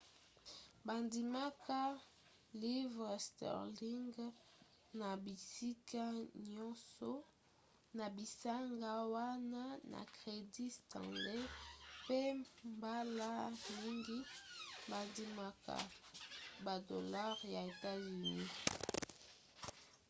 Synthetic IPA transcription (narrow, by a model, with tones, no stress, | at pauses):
ba˨ndi˨ma˦kʰa˦ | li˦vʁstɛ̰˨ʁli˦ŋɡ | na˨bi˨si˦ka˦ɲɔ˦sɔ˦ | na˨bi˨sa˦ŋɡa˦wa˦na˦na̰˨kʁe˨di˦stã̰˨le˦pe˦mba˦la˦mi˦ŋɡi˦ba˨ndi˨ma˦ka̰˨ | ba˨do˨la˦ʁja˨e˨ta˦zi˨ni˦